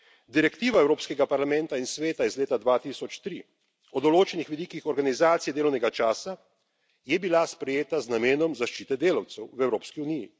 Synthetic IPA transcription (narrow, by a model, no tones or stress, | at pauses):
d̪iɾɛkt̪iːʋaɛwɾoːpskɛɡapaɾlamɛ̃nt̪ainsʋeːt̪aizleːt̪ad̪ʋaːt̪isɔt͡ʃt̪ɾi | ɔd̪ɔloːt͡ʃɛnixʋid̪iːkixɔɾɡanizaːt̪sijɛd̪eːlɔwnɛɡat͡ʃaːsa | jɛbilaspɾɛjeːt̪aznameːnɔmzaʃt͡ʃiːt̪ɛd̪eːlawt̪sɛwwɛwɾoːpskiunijḭ